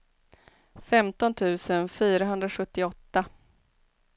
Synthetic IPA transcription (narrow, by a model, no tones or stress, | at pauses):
fɛmt̪ɔnt̪ʰʉ̟ːsənfyːɾaɦɵnd̪ɾaɧɵt̪ːɪɔt̪ːa